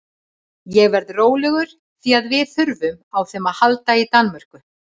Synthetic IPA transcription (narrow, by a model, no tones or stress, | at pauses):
jɛɣvɛɾðroːwlɛɣʏɾ̥ | θiaðvɪθʏɾvʏmawθɛmaðhalt̪ait̪anmar̥kʏ